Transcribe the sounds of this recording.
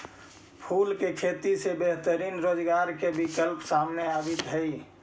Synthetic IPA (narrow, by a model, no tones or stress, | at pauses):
pʰulkekʰet̪isebeɦt̪əɾiːnɾod͡ʒɡaːɾkebikəlpsaːmneabɪt̪ɦəi